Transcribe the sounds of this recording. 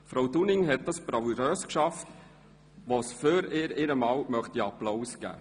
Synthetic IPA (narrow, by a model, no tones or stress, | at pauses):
fɾowdunɪŋɦɛt̪̚d̥ɑspɾɑwɾœːskʃɑft | ʋosføɾɪːɾɪɾəmɑːwmœχtiɑplawsɡ̥æ̰ː